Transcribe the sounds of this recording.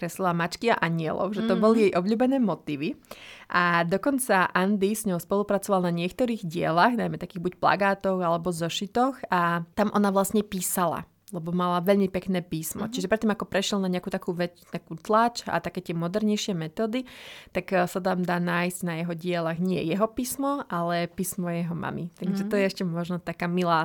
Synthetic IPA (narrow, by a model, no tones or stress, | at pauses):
kɾɛslilamat͡ʃkia̰ʔaɲɪɛ̰lɔ̰ʊʒɛt̪ɔbɔlijɛjʔɔblʎuːbɛnɛːmɔt̪iːʋiʔad̪ɔkɔnt͡saʔand̪isɲɔɦɔspɔlupɾat͡sɔʋalˠnaɲɪɛk̚t̪ɔɾiːɣɟɪɛ̰laɣnajmɛt̪akiːɣbucpla̰ɡaːt̪ɔʊalɛbɔzɔʃit̪ɔxat̪amʔɔnaʋlasɲɛpiːsala̰ | lɛbɔmalaʋɛʎmipɛknɛːpiːsmɔ̰t͡ʃiʒɛpɾɛt̪ːimakɔpɾɛʃɪɛlˠnaɲɛakuːt̪akuːʋɛt͡st̪akuːt̪lat͡ʃa̰t̪akɛːt̪ɪɛmɔd̪ɛɾɲɛjʃɪɛmɛt̪ɔːd̪it̪aksat̪amd̪aːnaːjsɟ̥najɛɦɔɟɪɛlaɣɲɪɛ̰jɛɦɔpiːsmɔʔalɛpiːsmɔjɛɦɔma̰mit̪aɡʒɛt̪ɔjɛɛʃcɛmɔʒnɔt̪akaːmilaː